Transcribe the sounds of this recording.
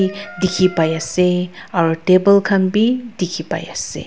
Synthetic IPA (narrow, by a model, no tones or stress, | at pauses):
dikʰipajasɛaɹutebəlkʰanbidikʰipa̰jasɛ̰